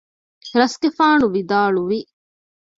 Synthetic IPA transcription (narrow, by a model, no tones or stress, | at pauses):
ɾɐsɡefaːnuʋid̪aːɭuʋi